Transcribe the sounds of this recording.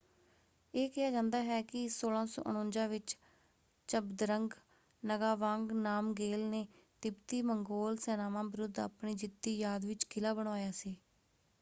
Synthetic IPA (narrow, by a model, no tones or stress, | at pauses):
eːkɪaːd͡ʒãːnd̪aːɦɛːkɪsoːlãːsɔ̰ːʔənõːɲd͡ʒãːʋɪt͡ʃ | t͡ʃəbd̪ɾəŋɡ | nəɡaːʋãːŋɡnaːmɡeːlneːt̪ɪbt̪iːməŋɡoːlsɛːnaːmãːbɪɾʊd̪a̰ːpɳiːd͡ʒɪt̪ːiːjaːd̪ʋɪt͡ʃkɪlaːbəɽ̃aːjaːsiː